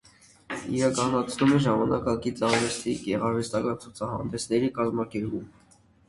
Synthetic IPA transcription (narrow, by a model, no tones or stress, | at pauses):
ḭɾɑkɑnɑt͡sʰnumɛʒɑmɑnɑkɑɡit͡sɑɾvɛst̪iɡɛʁɑɾvɛst̪ɑkɑnt͡sʰut͡sʰɑɦɑ̰nd̪ɛsnɛɾikɑzmɑkɛɾpum